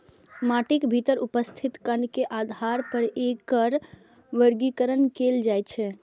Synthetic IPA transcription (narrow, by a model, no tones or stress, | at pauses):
maʈikbʱit̪əɾupəst̪ʰit̪kənkeʔad̪ʱaɾpəɾekəɾ | ʋəɾɡikəɾənkeld͡ʒajt͡ʃʰɛ